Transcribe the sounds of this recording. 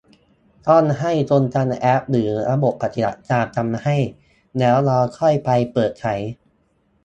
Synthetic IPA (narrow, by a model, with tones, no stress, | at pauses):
t̪ɔ˥˩nɦa˥˩jt͡ɕo˧nt͡ɕa˧nʔɛ˦˥p̚ɾɯː˩˦ɾa˧bo˨˩pːa˨˩t̪i˨˩ba˨˩t̪̚t͡ɕaː˧˩k̚t͡ɕa˧mha˥˩j | nɛː˦˥wɾɔː˧kʰɔ˥˩jpa˧jpɤː˨˩t̪̚t͡ɕʰa˦˥j